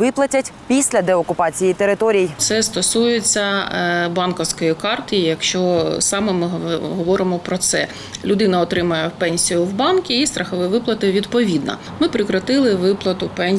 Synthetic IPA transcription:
ʋɪplˠɐtʲɐtʲpʲisʲlʲɐd̪ɛɔkʊpɑt͡sʲijit̪eɾɪt̪ɔɾʲijt̪sɛst̪ɔsujet͡sʲːɐbɑnkɔwsʲkɔjikɑrt̪ɔjijɐkʃt͡ʃɔsɑmɛmɪɦɦɔʋɔɾɪmɔpɾɔt̪sɛ | lʲʊd̪ɪnɐɔt̪ɾɪmɐjɛpɛnʲsʲijʊwbɑnkʲiist̪ɾɐxɔʋɛʋɪplˠɐt̪ɪʋʲid̪pɔʋʲid̪nɐ̰ | mɪpɾɪkɾɐt̪ɪlˠɪʋɪplˠɐt̪ʊpɛnʲ

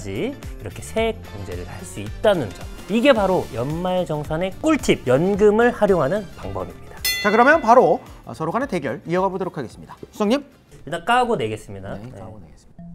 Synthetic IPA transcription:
d͡ʑiiɾʌkʰe̞sʰe̞koŋd͡ʑe̞ɾɯɭhaɭs͈uit̚t͈anɯnd͡ʑʌm | iɡe̞paɾojʌnmaɭd͡ʑʌŋsʰane̞k͈uɭtʰib̚jʌnɡɯmɯɭhaɾjoŋɦanɯnpaŋbʌbimɲid̥ḁt͡ɕakɯɾʌmjʌnpaɾo̰sʰʌɾoɡaneteɡjʌɭijʌɡabodɯɾokʰaɡe̞s͈ɯmɲidasʰu̥s͈ʰʌŋɲim | iɭt͈ak͈aɡone̞ɡe̞s͈ɯmɲidajḛ

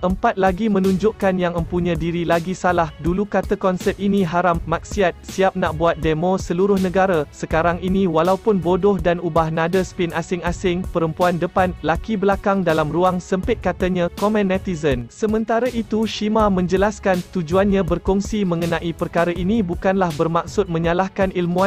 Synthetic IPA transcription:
ʔəmpat̪̚laɡimə̃nũɲd͡ʒʊʔkanjaŋə̃mpuɲãdiɾilaɡisalahdulukat̪akɔnsɛp̚iniɦaɾamːak̚siat̪siap̚naʔbuat̪̚demõsəluɾʊhnə̃ɡaɾasəkaɾaŋinĩwalaupʊnbodɔhdanubahnãdəspɪnasɪŋasɪŋpəɾəmpuandəpanlakibəlakaŋdalamruaŋsəmpɪt̪̚kat̪aɲãkɔmɛ̃nɛt̪izənsəmə̃nt̪aɾaʔit̪uʃimamə̃ɲd͡ʒəlaskant̪ud͡ʒuanɲãbərkuŋsimə̃ŋənãʔipərkaɾaʔinibukanlahbərmak̚sʊt̪̚mə̃ɲalahkanilmũã

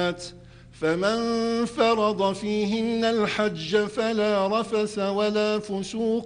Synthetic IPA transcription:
t̪ | famanfɑɾˤɑd̪ˤɑfiːɦɪnːalħad͡ʒːafalaːɾˤɑfasawalaːfʊsuːq

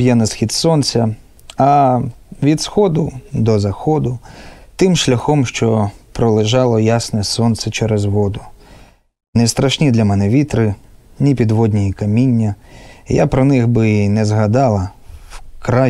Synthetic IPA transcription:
jɛnɐsxʲit̪sɔnsʲɐ | ɐ | ʋʲid̪sxɔd̪ʊd̪ɔzɐxɔd̪ʊt̪ɪmʃlʲɐxɔmʃt͡ʃɔpɾɔlˠɪʒɑlˠɔjasnɛsɔnt̪sɛt͡ʃɛɾezɦɔd̪ʊ | nɛst̪ɾɐʃnʲid̪lʲɐmɛnɛʋʲit̪ɾɪnʲipʲid̪ʋɔd̪ʲnʲijikɐmʲinʲːɐja̰pɾɔnɪxbɪnɛzɦɐd̪ɑlˠɐwkɾa

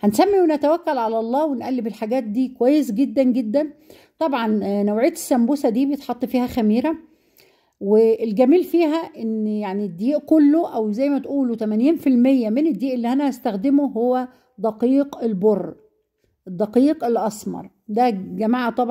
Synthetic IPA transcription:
hænsæmːiwenæt̪æwækːælʕalæʔɑlˤːɑːwenʔælːebelħaɡæːt̪̚d̪iːkowæjːesɡed̪ːænɡed̪ːæn | t̪ˤɑbʕɑnnowʕejæt̪e̥sːæmbosæd̪iːbejet̪ħɑt̪ˤːfiːhæxæmiːɾæ | weːlɡæmiːlfiːɦæʔenjaʕnid̪ːiːʔkolːoʔæwzæjːmæt̪ʔuːlot̪æmænjiːnfilmejːæmened̪ːiːʔelːiːhænæʔæst̪æxd̪emohowːæ | d̪ɑqiːqelborˤː | ʔd̪ːɑqiːqelːʔɑsmɑ̰ɾˤ | d̪æɡæmaːʕt̪ˤɑb

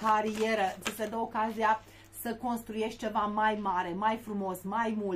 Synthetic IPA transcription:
kaɾieɾət͡ʃised̪əokazia | səko̞nst̪ɾuje̞ʃt̪̚t͡ʃe̞vamajmaɾe̞majfɾumo̞smajmul

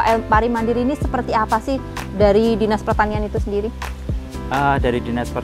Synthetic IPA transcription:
ʔɛpaɾimandiɾinisəpərt̪iapasɪh | daɾidinaspərt̪anianit̪usəndiɾi | ʔədaɾidinaspə

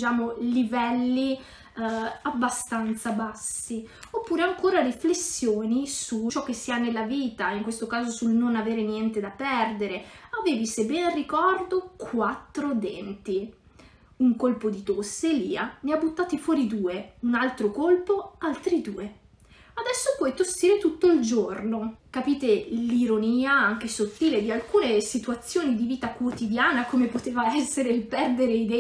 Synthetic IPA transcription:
t͡ʃaːmolivɛlːi | abːast̪ant̪sabasːiopːuːɾeaŋkoːɾariflesːjoːnisut͡ʃɔk̟ːesːianːelːaviːt̪aiŋkwest̪okaːzosulnonaveːɾenjɛnt̪ed̪apːɛrd̪eɾeaveːvisebːɛːnarːikɔrd̪okʰwat̪ːɾod̪ɛnt̪i | uŋkolpod̪it̪osːelḭːaneabːut̪ːaːt̪ifwɔːɾid̪uːeunalt̪ɾokolpoalt̪ɾid̪uːe | ad̪ɛsːopwɔjt̪osːiːɾet̪ut̪ːoild͡ʒornokapiːt̪eliɾoniːaaŋk̟esot̪ːiːled̪ialkuːnesit̪uat̪sːjoːnid̪iviːt̪akwot̪id̪jaːnakomepot̪eːvaɛsːeɾeilpɛrd̪eɾeid̪ɛ

